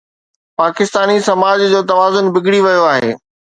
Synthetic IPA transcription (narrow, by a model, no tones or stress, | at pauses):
paːkɪst̪aːnisɐmaːd͡ʑd͡ʑoːt̪ɐʋaːzʊnbɪɡɽiʋɐjoaːɦḛː